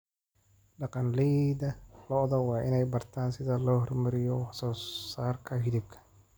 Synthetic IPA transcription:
ɖɑqɑnlɛjðɐlɔðɐwɑːʔɪnɛjbɐrt̪ʰaːnsɪðɐlɔːhɔrmɐɾɪjɔhɐsɔːsaːrkʰɐɦɪðɪb̚kʰɐ̥

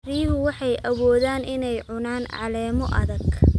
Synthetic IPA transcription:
riːɦʊwɑħɑjʔɐwɔːðaːnʔɪnɛjʕʊnaːnʕɑ̰lɛːmɔʔɐðɐɡ

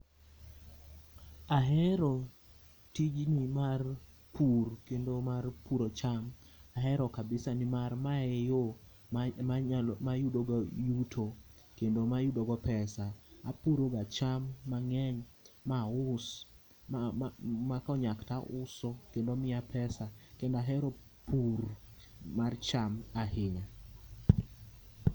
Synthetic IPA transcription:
aɦɛɾɔ | tid͡ʒnimar | pʰurkendomarpuɾot͡ʃam | aɦɛɾɔkabɪsanimarmaejo | majudoɡɔjutʰo | kendomajudoɡɔpɛsaapuɾoɡat͡ʃamːaŋɛɲmaʊs | makɔɲaktaʔʊsɔkendɔmɪapʰɛsakendaɦɛɾɔ | puɾ | mart͡ʃamahɪɲa

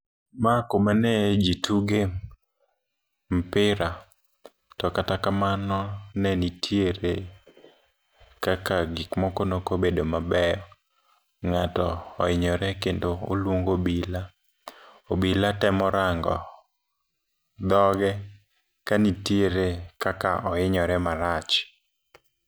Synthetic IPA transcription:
makomanɛd͡ʒitʰuɡe | m̩pɪɾa | tɔkatakamanɔnɛnitʰjeɾe | kakaɡɪkmɔkonokobedomabɛjɔ | ŋatɔːɪɲɔɾɛkendoo̰lwoŋɡobila | obilatɛmɔɾaŋɡɔ̰ | d̪ɔɡɛ | kanitieɾekaka̰ʔɔɪɲɔɾɛmaɾat͡ʃ

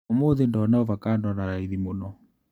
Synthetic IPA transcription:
moðendɔnaɔvakandɔnaɾaiðimonɔ

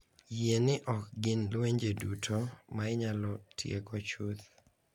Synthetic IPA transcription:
jenɪʔɔkɡɪnlweɲd͡ʒedutʰomaɪɲalɔtʰjḛkɔt͡ʃut̪

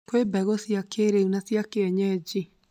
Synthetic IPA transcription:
kwebɛɣɔsjakʰeɾeunasjakeɛɲɛd͡ʒi

